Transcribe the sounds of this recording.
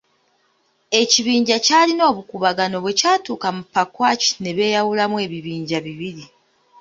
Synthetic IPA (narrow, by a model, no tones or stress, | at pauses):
e̞ciβiːɲɟacaːlino̞ːβukuβaɡano̞βwe̞caːtuːkamupːakwaːci̥ne̞βe̞ːjawulamwe̞ːβiβiːɲɟaβiβiɾi